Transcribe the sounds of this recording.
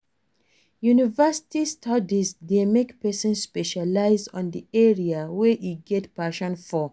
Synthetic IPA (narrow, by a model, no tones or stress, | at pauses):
junivɛsi̥tistʰadizdemekpɛsɔ̃nsːpɛʃalaɪzɔ̰̃ndiɛɹiaweʔiɡɛtpaʃɔ̃nfɔ